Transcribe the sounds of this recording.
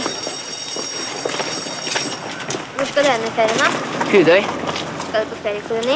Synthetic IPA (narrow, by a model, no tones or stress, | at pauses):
ʋʊskɑd̪ʉːɛnːəfeːɾənɑhʉːd̪œʏskɑd̪pʰɔst̪eːɾɪkʰʊlʊniː